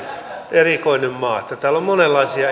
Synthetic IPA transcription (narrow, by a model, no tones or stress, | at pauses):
ʔerikoinemmɑːet̪ːjæt̪æːlːommonelːɑisiɑ